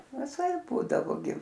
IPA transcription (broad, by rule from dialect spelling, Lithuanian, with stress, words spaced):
ʋʲɪˈsɐɪp ˈbuːdɐʋoː ɡʲɪ